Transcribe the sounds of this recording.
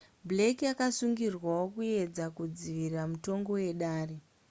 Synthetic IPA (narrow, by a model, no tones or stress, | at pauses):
blekijakasuŋɡirwaokue̞d͡zakud͡ziʋirramuto̞ŋɡo̞je̞ɗaːre